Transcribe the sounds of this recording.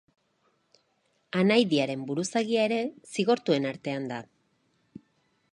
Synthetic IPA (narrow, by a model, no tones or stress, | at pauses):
anajðiaɾe̞mbuɾusaɣiae̞ɾe̞siɣ̞o̞ɾt̪ue̞naɾt̪e̞and̪a